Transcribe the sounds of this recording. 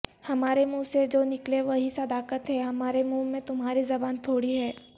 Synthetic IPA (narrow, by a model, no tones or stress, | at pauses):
hɐmaːɾemũːsed͡ʒoːnɪkleʋɐɦisɐd̪aːkət̪ɦɛɦɐmaːɾemũːmẽt̪ʊmɦaːɾizɐbaːnt̪ʰoːɽiɦɛː